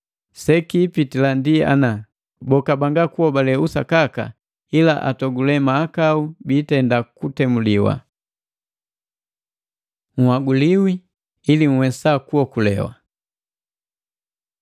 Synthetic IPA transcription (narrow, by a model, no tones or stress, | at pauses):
sɛkiːpitilandia̰na | bɔkabaŋɡakuɔbalɛusa̰kaka̰ | ila̰ʔa̰tɔɡulɛmaːkaubiːtɛndakutɛmuliwa̰ | ŋ̩waɡuliwiː | liŋ̩wɛsakuɔkulɛ̰wa̰